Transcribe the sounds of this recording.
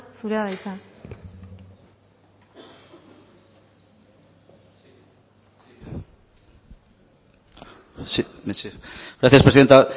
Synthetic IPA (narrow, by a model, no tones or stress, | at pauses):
suɾeaðajt̪a | siesiɣɾaθjaspɾesiðent̪a